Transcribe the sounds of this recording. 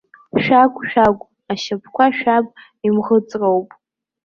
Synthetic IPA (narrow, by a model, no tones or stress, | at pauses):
ʃᶣakʷʰʼʃᶣakʷʼ | aʃapʰkʷaʃᶣapʼ | imʁət͡sʼrowpʼ